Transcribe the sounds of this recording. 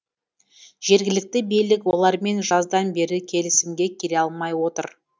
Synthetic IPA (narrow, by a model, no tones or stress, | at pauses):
ʒ̥e̞ɾɡʲɪlɪk̚t̪ɪbejlɪkwo̞lˠɑɾme̞nʒɑzd̪ɑnbe̞ɾɪkʲʰe̞lɪsɪmɡʲe̞kʲʰeɾe̞ɑlˠmɑjwo̞t̪əɾ